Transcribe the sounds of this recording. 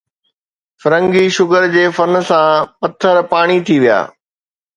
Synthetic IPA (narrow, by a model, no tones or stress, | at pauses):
fɐɾə̃ŋɡiʃʊɡəɾd͡ʑeːfɐnsãpɐt̪ʰəɾpaːɽ̃it̪ʰiʋija̰ː